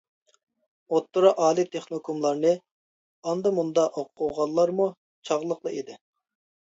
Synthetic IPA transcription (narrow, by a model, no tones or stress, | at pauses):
ot̪ːuɾɑʔɑːlˠit̪ʰeχnokʰomlˠɑɾnɨ | ɑnd̪ɑmund̪ɑʔoqʰːʊʁɑlˠːɑɾmu | t͡ʃʰɑʁlˠəqlˠɨid̪ɪ